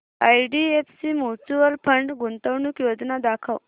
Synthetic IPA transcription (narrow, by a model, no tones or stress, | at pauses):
ajɖiefsimut͡suʋəlpʰəɳɖɡunt̪əwɳukjod͡znad̪akʰəw